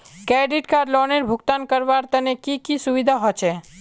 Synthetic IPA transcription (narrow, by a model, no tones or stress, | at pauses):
kɛɖiʈkaɾlɔneɾbʱuɡt̪ankəɾbaɾt̪ənekikisuʋid̪ʱaɦɔt͡ʃʰɛ